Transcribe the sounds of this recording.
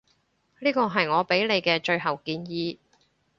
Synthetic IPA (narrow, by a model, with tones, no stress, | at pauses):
liː˥kɔː˧ɦɐ˨jŋɔː˨˧pe˨˥jne˨˧jkɛː˧t͡ʃɵ˧ɥɦɐ˨˩wkiː˧njiː˧